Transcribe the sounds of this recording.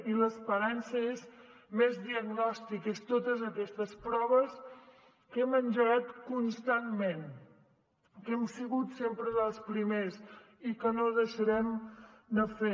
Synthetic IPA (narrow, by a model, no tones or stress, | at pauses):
iləspəɾansəez | mezðiəɡnɔst̪ikəst̪ot̪əzəkɛst̪əspɾɔβ̞əs | kɛmənʲʒəɣat̪kunst̪anmen | kɛmsiɣut̪sempɾəðəlˠspɾimes | ikənoðəʃəɾɛmd̪əfe